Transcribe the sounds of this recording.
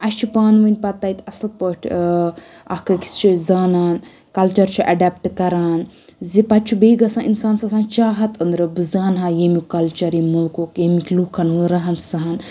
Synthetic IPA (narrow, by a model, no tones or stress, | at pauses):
ɐʃt͡ʃʰipaːnʋənʲpɐt̪ːɐjt̪ʲɐslpəʈʰ | ɐhkɐki̥st͡ʃʰizaːnaːn | kɐlt͡ʃɐɾt͡ʃʰiʔɐɖap̚ʈkɐɾaːnzipɐt̪t͡ʃʰubeːɡɐsãːʔinsaːnsasãːnt͡ʃaːɦɐt̪ɨnd̪ɾɨbɨzaːnɦãːjemikɐlt͡ʃɐɾemulkukjemikʲlukʰːɐnʋɨɾɐɦɐnsɐɦɐn